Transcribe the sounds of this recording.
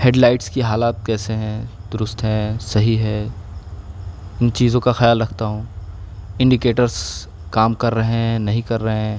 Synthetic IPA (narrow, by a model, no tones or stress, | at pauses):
heːɖlaːɪʈskiɦaːlaːt̪̚kɛːseɦɛ̃d̪̥ʊɾʊst̪ɦɛ̃sɐɦiɦɛː | ɪnt͡ʃiːzõkaxɐjaːlɾɐkʰt̪aɦũː | ɪ̃ɳɖɪkeːʈəɾz | kaːmkɐɾːɐɦẽɛ̃nɐɦĩkɐɾːɐɦeɛ̃ː